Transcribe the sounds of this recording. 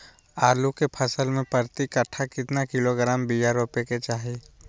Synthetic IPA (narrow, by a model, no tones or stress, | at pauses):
aːlukepʰəsəlmẽpəɾt̪ikəʈʰːakɪt̪nakɪloɡɾaːmbijaɾoːpeket͡ʃaːɦi